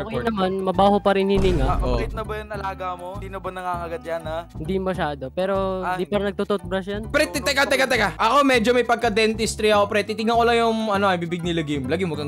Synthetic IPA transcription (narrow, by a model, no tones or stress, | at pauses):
okjnɐmanmɐbaːɦopɐɾɪnhɪnɪŋaʔoakɪt̪nɐbɐjʊnɐlaːɡamoiːnobɐnɐŋaŋɐɡɐt̪̚janɐhɪnd̪ijŋmɐʃaːd̪o̞pɛːɾoɪnd̪ipɐɾɐnɐɡ̚t̪ot̪ot̪̚bɾɐs̬janpɾɛt̪ːɛt̪ɛkat̪ɛkat̪ɛkaʔɐko̞mɛd͡ʒomɐjpɐɡ̚kɐd̪ɛnt̪ɪst̪ɾɪakopɾɛt̪it̪ɪŋɐkolɐjʊŋʔɐnoɐjbiːbɪɡ̚nɪlɐɡɪmlɐɡɪmokɐ